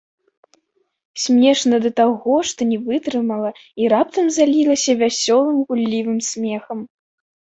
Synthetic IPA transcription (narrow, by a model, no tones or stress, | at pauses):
sʲmʲɛʂnɐd̪ɐt̪aɣɔʂt̪ɔnʲɛvɨt̪ɾɨmɐlˠɐiɾap̚t̪ɐmzalʲilˠɐsʲɐvʲasʲɔlˠɨmɣulʲːivɨmsʲmʲɛxɐm